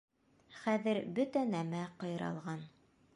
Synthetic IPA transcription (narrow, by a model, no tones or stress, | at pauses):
χæðɘɾbɵt̪ænæmæqɤ̆jɤ̆ɾɑ̰lˠʁɑn